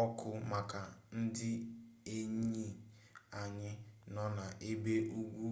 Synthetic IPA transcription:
ɔ˦kʰʊ˦ma˨ka˨n̩˦dɪ˦e˦ɲi˦˨ | a˨ɲɪ˦nɔ˦na˨ʔe˦be˦ʔu˦ɡʷu˦

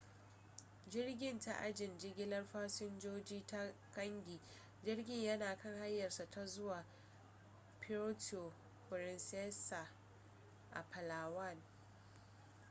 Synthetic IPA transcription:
d͡ʒɪ˦rɡʲɪ˦nta̰˦ʔa̰˦d͡ʒɪ˨nd͡ʒɪ˦ɡʲɪ˦lɐ˦rɸaː˦sɪ˦nd͡ʒoː˦d͡ʒiː˦ta˦kɐ˦ŋɡʲiː˨ | d͡ʒɪ˦rɡʲɪ˦ɲjɐ˦naː˨kɐ˦ŋha˦jːɐ˨rsa˨ta˦zʊ˦waː˨ | pʰɪ˦ɾo˦to˨ | pɾɪ˨nsɛ˦sa˨ | ʔa̰˨pɐ˨laː˨wɐ˦˨n

